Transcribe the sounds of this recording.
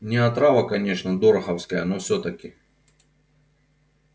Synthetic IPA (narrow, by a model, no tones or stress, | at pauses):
nʲɪɐt̪ɾavɐkɐnʲe̞ʂnɐd̪oɾɐxɐwskɐjənofsʲɵt̪ɐkʲɪ